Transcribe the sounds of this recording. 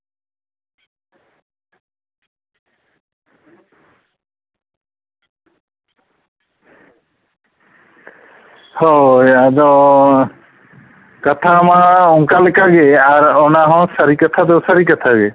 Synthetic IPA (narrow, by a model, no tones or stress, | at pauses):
hɔjad̪ɔ | kat̪ʰamãɔŋkalɛkaɡeaɾɔnaɦɔ̃saɾikat̪ʰad̪ɔsaɾikat̪ʰaɡe